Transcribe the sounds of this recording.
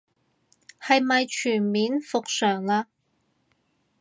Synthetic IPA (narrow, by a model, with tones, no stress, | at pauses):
hɐ˨jmɐ˨jt͡ʃʰyː˨˩nmiː˨˥nfʊ˨k̚sœː˨˩ŋlaː˧